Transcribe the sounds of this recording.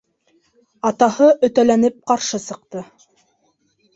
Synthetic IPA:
ɑt̪ɑhɤʔɵ̆t̪ælænɘp̚qɑɾʃɤsɤ̆q̚t̪ɤ

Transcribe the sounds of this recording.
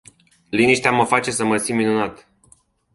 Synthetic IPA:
liniʃt̪eaməfat͡ʃe̞səmət̪simːinunat̪

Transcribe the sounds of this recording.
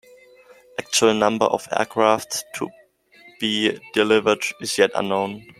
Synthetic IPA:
ʔæk̚t͡ʃuəl̩nãmbə̰˞ʔɔ̰vɛ̰ɐkʰɹ̥aftstʰṵ | b̥id̥ɪlɪvə˞dɪzjɛtã̰nːõʊ̃n

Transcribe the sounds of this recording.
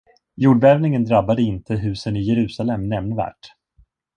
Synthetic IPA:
juːɖbɛːvnɪŋənd̪ɾabːad̪əɪnt̪ʰəɦʉ̟ːsənɪjɛɾʉ̟ːsalɛmːnɛmnvæ̰ːʈ

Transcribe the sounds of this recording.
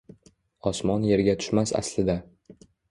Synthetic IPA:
ɒsmɒnje̞ɾɡʲat̪ʰʊ̥ʃmasa̰slɪd̪a

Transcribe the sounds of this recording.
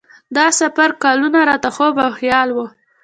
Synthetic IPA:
d̪ɑsafaɾkɑlunaɾɑt̪axobawxjɑlwə

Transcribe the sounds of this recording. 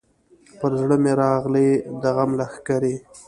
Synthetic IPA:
pəɾzɽəmeɾɑɣled̪aɣamlaxkaɾe

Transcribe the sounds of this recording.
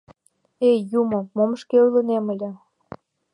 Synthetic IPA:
ejumŏːomʃkeulənemə̆lʲĕ

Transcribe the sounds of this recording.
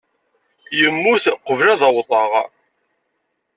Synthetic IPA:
jəmːuθqːəvlæðɑwðˤɑʁ

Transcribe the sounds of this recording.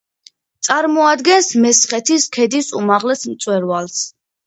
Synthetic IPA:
t̪sʼaɾmɔad̪ɡɛnsmɛsχɛt̪ʰiskʰɛd̪isumaʁlɛsmt̪sʼwɛɾvals

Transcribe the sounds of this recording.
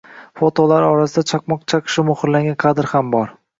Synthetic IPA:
fot̪ʰolaɾɒɾasɪd̪at͡ʃʰɒqmɒq̚t͡ʃʰɑqʰɨ̥ʃɪmʊχɾlaŋɡʲanqʰɑd̪ɪɾhambɒɾ

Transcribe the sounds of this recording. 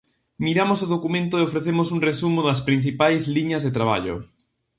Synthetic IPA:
miɾamosoðokumẽnt̪oeofɾeθemosuŋresumoðɐspɾin̟θipajzliɲɐzðet̪ɾaβ̞a̰ʎo̰

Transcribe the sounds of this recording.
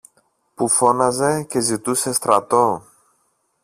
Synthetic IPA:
pufo̞nɐze̞ce̞zit̪use̞st̪ɾɐt̪o̞

